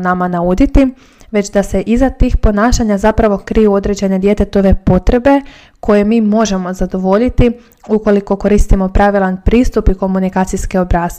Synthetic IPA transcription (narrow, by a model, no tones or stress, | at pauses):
namanaud̪it̪i | ʋe̞t͡ɕd̪ase̞ʔizat̪iːxpo̞naːʃaɲazapɾaʋo̞kɾijuo̞d̪ɾed͡ʑe̞ne̞d̪je̞t̪e̞t̪o̞ʋe̞po̞t̪ɾe̞be̞ | kʰo̞je̞miːmo̞ʒe̞mo̞zad̪o̞ʋo̞ʎit̪i | uko̞liko̞ko̞ɾiːst̪imo̞pɾaʋilˠanpɾiːst̪upiko̞munikaːt̪sijskeobɾaːst̪